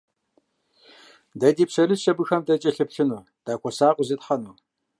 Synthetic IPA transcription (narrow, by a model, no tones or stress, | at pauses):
dɐdiːpsɐrɨʃɐbɨxɐmdɐt͡ʃʼɐɬɨpɬɨnuː | d̥aːkʷʰɔsaːqʷʼʊzɐtħɐnuː